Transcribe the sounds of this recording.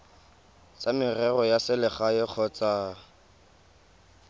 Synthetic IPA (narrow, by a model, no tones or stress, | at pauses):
t͡sʼamɪrɛrɔjasɪlɪχaɪk͡xʰɔt͡sa